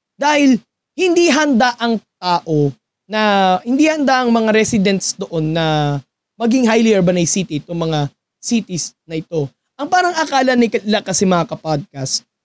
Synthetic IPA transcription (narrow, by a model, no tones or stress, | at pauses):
d̪aːhɪl | hɪnd̪iɦɐnd̪aʔɐŋt̪aːʔo̞ | nɐhɪnd̪ihɐnd̪aʔɐŋmɐŋaɾɛsɪd̪ɛnt̪sd̪oʔo̞nːɐ | mɐɡɪŋɦajliɛɹbɐnɐjsit̪ɪt̪oŋmɐŋa | siːt̪ɪsnɐʔɪt̪o̞ | ʔɐŋpaːɾɐŋʔɐkaːlɐnɐjkɐɪlakɐsɛmɐŋakɐpad̪̚kast̪̚